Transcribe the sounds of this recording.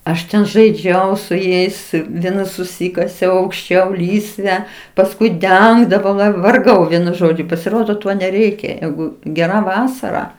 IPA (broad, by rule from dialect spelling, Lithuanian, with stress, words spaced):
ɐʃ ˈtʲɛn ʒɐɪˈd͡ʒʲɛʊ sʊ ˈjɛɪs ˈʋʲiɛnɐ sʊˈsʲiːkɐsʲɛʊ ɐʊkʃʲˈt͡ʃʲɛʊ ˈlʲiːsʲʋʲɛ pɐsˈkʊɪ ˈdʲɛŋɡdɐʋɐʊ ʋɐ ʋɐrˈɡɐʊ ˈʋʲiɛnʊ ˈʒoːd͡ʒʲʊ pɐsʲɪˈroːdoː ˈtoː nʲɛˈrʲɛɪkʲɛ ˈjɛɪɡʊ ɡʲɛˈrɐ ˈʋɑːsɐrɐ